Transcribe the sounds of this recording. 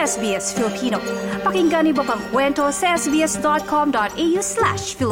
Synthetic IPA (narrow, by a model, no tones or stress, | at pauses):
ɛsbiːɛsfɪlipʰiːno̰ːpɐkɪŋɡɐnibɐkɐŋkwɛntoseɛsbiːɛsdɔt̪̚kʰɔmdɔtejuslæ̰ʃfɪl